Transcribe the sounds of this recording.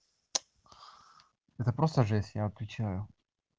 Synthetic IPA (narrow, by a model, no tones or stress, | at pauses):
ɛt̪əpɾost̪əʐɛsʲjaɐt̪vʲɪt͡ɕajʊ